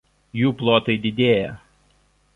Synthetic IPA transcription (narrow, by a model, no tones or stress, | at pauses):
juːplˠoːt̪ɐɪd̪ʲɪd̪ʲeːjɛ